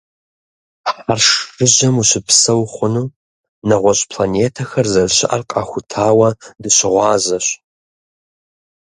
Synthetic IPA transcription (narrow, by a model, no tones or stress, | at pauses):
ħarʂrɨʑɐmuɕɪpʰsɐwχʷʊnuː | nɐʁʷɔɕʼpʰlaneːtʰɐxɐrzɐrɕɪʔɐrqʼɑ̰ːxʷʊtʰaːwɐdɨɕɪʁʷɑːzɐɕ